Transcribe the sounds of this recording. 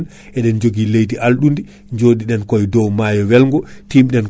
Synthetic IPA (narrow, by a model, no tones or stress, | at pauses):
n | ʔɛɗɛnd͡ʒoɡilejtiʔalɗundi | ɲd͡ʒoːɗiɗɛnkɔjdɔwmaːjɔwɛlŋɡɔtimɗɛn